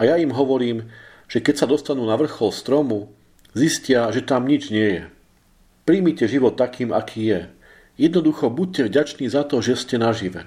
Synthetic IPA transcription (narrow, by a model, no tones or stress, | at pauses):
ajaimɦɔʋɔɾiːm | ʒ̥ɛkɛcsad̪ɔst̪anuːnaʋr̩xɔlst̪ɾɔmu | ziscɪaʒɛt̪amɲid͡ʒɲɪɛjɛ | pɾimicɛʒiʋɔt̪ːakiːmakʰiːjɛ | jɛd̪nɔd̪uxɔbuc̚cːɛvɟat͡ʃniːzat̪ɔʒɛscɛnaʒiʋɛ̰